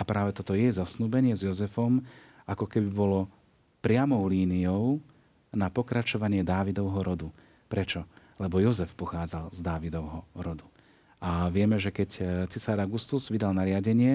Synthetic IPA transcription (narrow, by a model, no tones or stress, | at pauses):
apɾaːʋɛt̪ɔt̪ɔjɛjzasnuːbɛɲɪɛzjɔzɛfɔm | ʔakɔkɛbibɔlɔ | pɾɪamɔʊliːnijɔʊ | napɔkɾat͡ʃɔʋaɲɪɛd̪aːʋid̪ɔʊɦɔɾɔd̪u | pɾɛt͡ʃɔ | lɛbɔjɔzɛfpɔxaːd͡zalzd̪aːʋid̪ɔʊɦɔɾɔd̪u | aʋɪɛmɛʒɛkɛct͡sisaɾaɡust̪uzʋid̪alnaɾɪaɟɛɲɪɛ